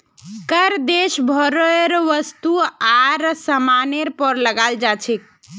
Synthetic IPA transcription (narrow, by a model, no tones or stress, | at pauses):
kəɾd̪eʃbʱɔɾeɾʋəst̪uaɾsəmaneɾpəɾləɡald͡ʒat͡ʃʰik̚